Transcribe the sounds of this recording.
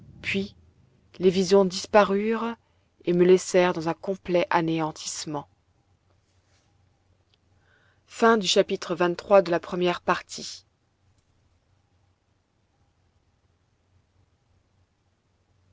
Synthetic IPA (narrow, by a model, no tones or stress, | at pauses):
pɥi | levizjɔ̃d̪ispaʁyːʁ | eməlɛsɛʁd̪ɑ̃zɛ̃kɔ̃plɛʔaneɑ̃t̪ʰi̥smɑ̃ | fɛ̃d̪yʃapit̪χəvɛ̃nt̪ːχwad̪əlapχəmjɛʁpaʁt̪ʰi